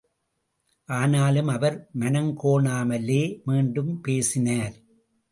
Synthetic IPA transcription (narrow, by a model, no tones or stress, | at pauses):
ʔaːnaːlɯmɐʋɐɾmɐnɐŋkoːɳaːmɐleːmiːɳɖɯmpeːsɪnaːɾ